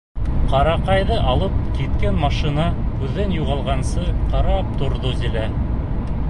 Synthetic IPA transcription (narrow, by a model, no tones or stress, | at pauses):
qɑɾɑqɑjðɤʔɑlˠɤp̚kit̪kænmɑʃinɑkʉðːænjuʁɑlˠʁɑnsɤqɑɾɑp̚t̪ŏɾðozilæ